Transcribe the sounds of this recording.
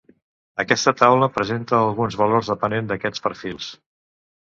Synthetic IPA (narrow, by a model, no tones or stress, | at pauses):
əkɛst̪ət̪awləpɾəzent̪əːlˠɣunzβəlorzðəpənend̪əkɛt͡spəɾfilˠs